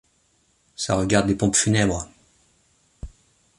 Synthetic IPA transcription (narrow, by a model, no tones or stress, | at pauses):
sa̰ʁəɡaʁd̪lepɔ̃pfynɛbʁə